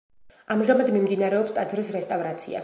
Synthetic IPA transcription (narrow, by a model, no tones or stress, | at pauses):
amʒamad̪mimd̪inaɾɛɔpst̪ʼad̪zvɾisɾɛst̪ʼavɾat̪sʰḭa̰